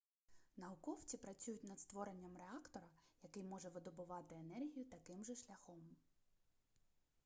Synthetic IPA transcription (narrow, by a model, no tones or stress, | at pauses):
nɐʊkɔwt͡sʲipɾɐt͡sʲujʊtʲnɐd̪st̪ʋɔɾe̞nʲːɐmɾeɑkt̪ɔɾɐjɐkɪjmɔʒɛʋɪd̪ɔbʊʋɑt̪ɪenɛrɦʲijʊt̪ɐkɪmʒɛʃlʲɐxɔm